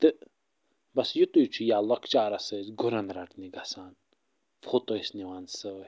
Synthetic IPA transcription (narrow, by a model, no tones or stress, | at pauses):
t̪ɨ | bɐsjut̪ujt͡ʃʰujaːlɔkt͡ʃaːɾɐsɨzɡʊɾɐnɾɐʈniɡɐsaːn | fʰoːt̪ojsniwansɨ